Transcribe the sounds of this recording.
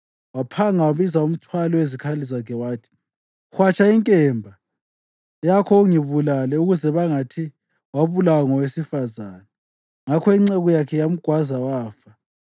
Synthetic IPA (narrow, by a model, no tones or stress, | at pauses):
wapʰaŋawaβizaum̩tʰwalɔwezikʰalizakʰɛwaːtʰi̥ | xwat͡ʃʼʰaiŋkʼɛmbʱa | jakʰɔuŋiβulalɛuɣuzɛβaŋatʰi | waβulawaŋɔwesifazana | ŋakʰɔiŋ͡ǀɛɣujakʰɛjam̩ɡ̥ʱwazawaːfa